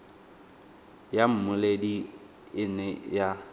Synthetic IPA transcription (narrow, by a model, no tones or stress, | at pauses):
jam̩mʊledi | ɪnɛja